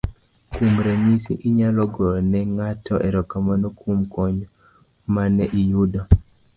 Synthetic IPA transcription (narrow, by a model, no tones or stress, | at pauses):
kumɾeɲisḭʔiɲalɔɡɔnɛŋatʰɔʔɛɾɔkamanokʰumkɔɲ | manɛʔijudɔ